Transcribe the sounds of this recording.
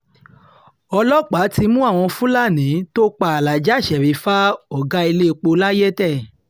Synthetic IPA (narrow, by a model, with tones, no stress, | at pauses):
ɔ˧lɔ˦k͡pa˨˦ti˧mũ˦a˦˨w̃ɔ̃˧fũ˦la˦˨nĩ˨˦to˦k͡pa˦a˨la˨d͡ʒa˨˦˨ʃɛ˨ɾi˨˦fa˦ɔ˦˨ɡa˦i˧le˦˧k͡po˧la˦je˦tɛ˦˨